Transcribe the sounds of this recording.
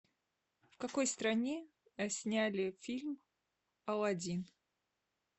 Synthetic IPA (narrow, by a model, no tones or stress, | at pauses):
fkɐko̞jst̪ɾɐnʲe | ɐsʲnʲælʲɪfʲilʲm | ɐlˠɐdʲin